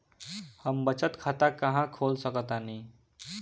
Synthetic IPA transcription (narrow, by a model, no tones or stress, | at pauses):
həmbət͡ʃət̪kʰat̪akəɦãkʰoːlsəkət̪anĩ